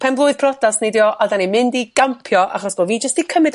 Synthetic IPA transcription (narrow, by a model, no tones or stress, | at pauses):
pʰɛnblˠʊɨð̥pʰrɔdasnedjɔʔadanimɪndiɡ̥ampʰjɔʔa̰χɔsb̥ɔːviːd͡ʒəstd̥ikʰəmɨd